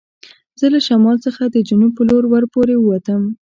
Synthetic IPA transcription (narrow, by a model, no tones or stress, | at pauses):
zəlaʃamɑlsəxad̪əd͡ʒunupːəloɾwaɾpoɾewəwat̪əm